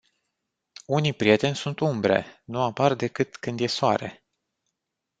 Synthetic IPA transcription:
unijpɾije̞t̪e̞nʲsunt̪umbɾe̞̰nuapard̪e̞kɨt̪kɨnd̪je̞soa̰ɾe̞̰

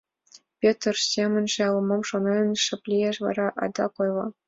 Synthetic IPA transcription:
pʲet̪̆rɕʲemʲɘ̆nʲʐjɑlˠɤ̆mɤmʂonɤɤnʲʂɘ̆pʲlʲieʂʋɑ̰ɾɑʔɑ̰d̪ɑkojlˠɤ̆

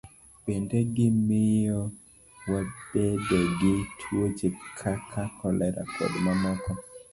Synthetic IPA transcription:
bendeɡɪmɪjɔ | wab̥edɔɡɪtʰwot͡ʃekʰakʰakʰɔlɛɾa̰kʰɔ̰dmamɔkɔ

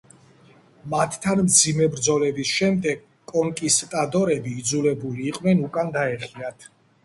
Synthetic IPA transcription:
mat̪ʰːanmd̪zimɛbɾd̪zɔlɛbisʃɛmd̪ɛɡ̚ | kʼɔŋkʼist̪ʼad̪ɔɾɛbiːd̪zulɛbuliːqʼvnɛnukʼand̪aɛχiat̪ʰ

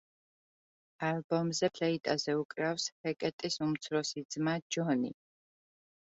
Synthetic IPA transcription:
albɔmzɛpʰlɛit̪ʼazɛukʼɾafshɛkʼɛt̪ʼisumt̪sʰɾɔsid̪zmad͡ʒɔnḭ

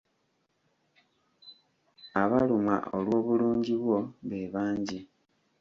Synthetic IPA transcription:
aβaluma̰ʔolwo̞ːβuluːɲɟiβwo̞βeβaːɲɟi

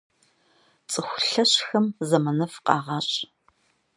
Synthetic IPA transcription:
t͡sʼɨxʷʊɬɐɕxɐmzɐmɐnɐfqʼɑ̰ːʁɑːɕʼ

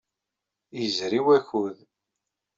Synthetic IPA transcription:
jəzɾiwæçuð

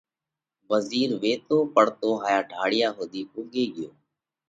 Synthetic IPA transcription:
ʋəziːɾʋeːt̪oːpəɽ̤t̪oːɦaːjaːɖʱaːɽɪjaːɦoːd̪iːʔuːɠeːɠɪjoː

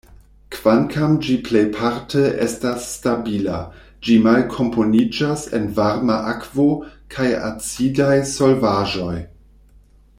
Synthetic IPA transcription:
kv̥ankʰamd͡ʒiplejpʰaɾtʰeʔestasːtabila | d͡ʒimalkʰo̞mpʰo̞nid͡ʒasḛnvaɾmaʔakv̥o̞kʰaja̰t͡sidajso̞lvaʒo̞j

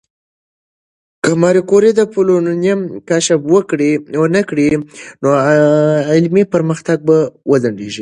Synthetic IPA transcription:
kəmɑɾikoɾed̪əpolonnjamkaʃabwəkɽiwənəkɽino | ɪlmipəɾməxt̪aɡ̚bawəzaɳɖeʒi

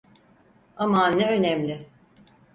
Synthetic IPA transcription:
amanːɛønɛmlʲɪ

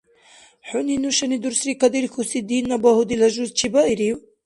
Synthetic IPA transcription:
ħuninuʃanid̪uɾsɾikad̪iɾxusid̪inːabahud̪ilɐʒuzt͡ʃʰibaʔiɾiw

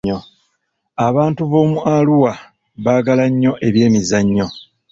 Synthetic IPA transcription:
o̞ | aβaːntuβo̞ːmualuwa | βaɡalaɲːo̞ʔe̞βje̞ːmizaɲːo̞

